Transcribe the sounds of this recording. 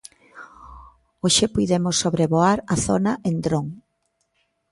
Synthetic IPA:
oʃepujðemosːoβɾeβoaɾɐθonaʔend̪ɾoŋ

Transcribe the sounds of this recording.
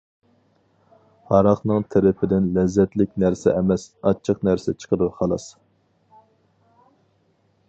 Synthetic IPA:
hɑɾɑχnɨŋt̪ʰeɾɪpʰɪd̪ɪnlɛzːɛt̪lɪk̚ʲnæɾsɛʔɛmɛsɑt͡ʃʰəqnæɾsɛt͡ʃʰə̥qʰəɾɨχɑlˠɑs

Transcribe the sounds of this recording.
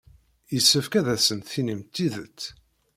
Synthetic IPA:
jəsːəfkæðæsənt̪θinimt̪ːiðət͡sː

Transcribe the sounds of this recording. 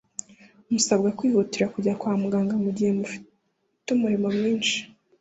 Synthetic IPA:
umusabɡakwiːhutiɾakuɟakwaːmuɡaːŋɡamuɟihemuf | tumuɾimo̞mŋiːnʃi̥

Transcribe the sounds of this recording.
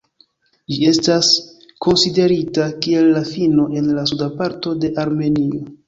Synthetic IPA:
d͡ʒie̞stas | ko̞nside̞ɾitakie̞lːafino̞ʔe̞nlasudapaɾto̞de̞ʔaɾme̞nio

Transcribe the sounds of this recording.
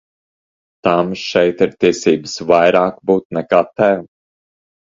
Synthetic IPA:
t̪amʃɛjt̪iɾt̪iɛsiːbɨsvajɾaːkbuːt̪nɛkat̪ːɛː

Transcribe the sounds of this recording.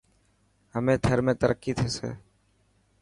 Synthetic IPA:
ɦəmẽːt̪ʰəɾmẽːt̪əɾəkːiːt̪ʰeːsḛː

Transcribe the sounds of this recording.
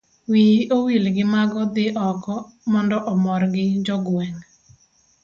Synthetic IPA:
wiʔowilɡɪmaɡɔd̪ɪʔɔkɔ | mɔndɔʔɔmɔɾɡɪd͡ʒɔɡwɛŋ

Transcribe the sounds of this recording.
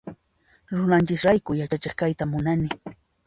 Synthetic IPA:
ɾʊnant͡ʃɪsɾajkʊjat͡ʃat͡ʃɪχkajt̪amʊnanɪ

